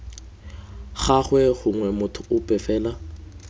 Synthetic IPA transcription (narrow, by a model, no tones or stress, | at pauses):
χaχwɛχʊŋwɛmʊtʰʊʊpʼɛfɛːla